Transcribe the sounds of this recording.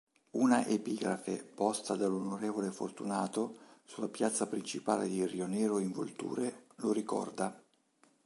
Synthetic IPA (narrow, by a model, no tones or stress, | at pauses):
unaʔepiːɡɾafḛpɔst̪ad̪alːonoɾeːvolefo̰rt̪unaːt̪osulːapjat̪sːapɾint͡ʃipaːled̪irionɛːɾoiɱvo̰lt̪ṵːɾeloɾikɔ̰rd̪a